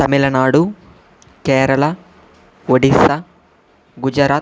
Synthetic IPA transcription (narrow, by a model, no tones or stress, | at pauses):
t̪ɐmilɐnaːɽu | kɛːɾɐɭɐ | ʋoɽisɐ | ɡud͡ʒɐɾaː